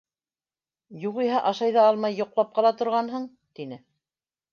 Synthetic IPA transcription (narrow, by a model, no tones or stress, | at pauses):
juʁiɦæʔɑʃɑjðɑɑlˠmɑjːŏqlˠɑp̚qɑlˠɑt̪ŏɾʁɑnɦɤɴ | t̪inɘ